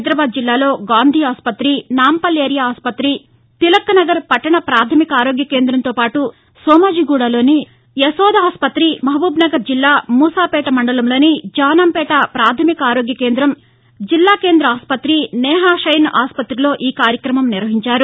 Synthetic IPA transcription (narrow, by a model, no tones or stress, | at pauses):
d̪ɾɐbaːd̪̚d͡ʒilːaːlo̞ːɡaːnd̪ʱiːaːspɐt̪ɾinaːmpɐleːɾjaaːspɐt̪ɾi | t̪ilɐkːɐnɐɡɐɾpɐʈːɐɳɐpɾaːt̪ʰɐmikɐaːɾoːɡjɐkeːnd̪ɾɐnt̪oːpaːʈu | sɔːmaːd͡ʒiːɡuːɽaːlo̞ːni | jɐsɔːd̪aːspɐt̪ɾimɐɦɐbuːbnɐɡɐɾd͡ʒilːaːmuːsaːpɛːʈɐmɐɳɖɐlɐmlo̞ːnid͡ʒaːnaːmpɛːʈɐpɾaːt̪ʰɐmikɐaːɾoːɡjɐkeːnd̪ɾɐm | d͡ʒilːaːkeːnd̪ɾɐaːspɐt̪ɾinɛːɦaːʂɐjnʔaːspɐt̪ɾilo̞ːʔiːkaːɾjɐkɾɐmɐmniɾʋɐɦiɲt͡ʃaːɾu